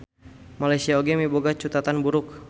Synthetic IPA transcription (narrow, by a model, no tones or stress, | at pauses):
malajsiaoɡɛmiboɡat͡ʃut̪at̪anbuɾʊk̚